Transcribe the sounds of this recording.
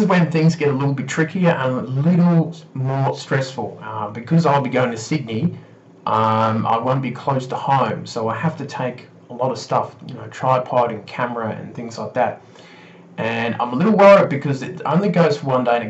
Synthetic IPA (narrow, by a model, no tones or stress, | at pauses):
zwɨ̃nθɪ̃ŋzɡɛɾəlɪɾl̩ˠbɪtʰɹ̥ɪkiə˞ʔãɪ̃məlɪɾl̩ˠmɔɹstɹ̥ɛsfl̩ˠʌbɨkʰʌzaɪlˠbiɡoʊɪ̃ŋtʰɨsɪdⁿni | ʔʌ̃ma̰ɪwõʊ̃nb̥ikʰl̥oʊstʰəhõʊ̃msoʊaɪhæftɨtʰeɪk | əlɔɾʌv̥stʌfjɨnoʊtʰɹ̥aɪd̚pʰɑɹɾɨ̃nkʰæmə˞ɨɨ̰̃nθɪ̃ŋzlaɪk̚ðæt̚ | ʔɨ̃nã̰ɪ̃məlɪɾl̩ˠwɛɹʌvɨt̚b̥ɨkʰʌzɨɾõ̰ʊ̃nlˠiɡoʊz̥fə˞wʌ̃ndeɪɾɨ